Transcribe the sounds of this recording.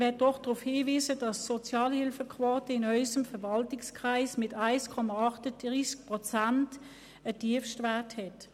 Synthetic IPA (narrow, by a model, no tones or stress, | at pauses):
ʋɛt̚d̥ɔχd̥ʁufhiːviːzəd̥ɑssɔt͡sjɑːlhɪlfəkʰvoːtəɪnɔʏsəmfɛɐvɑltɪkskʁaɪsmɪtaɪskʰɔmaɑχtəd̥ʁiːsk̚pʁɔt͡sant | ətiəfʃtvaɐthɛt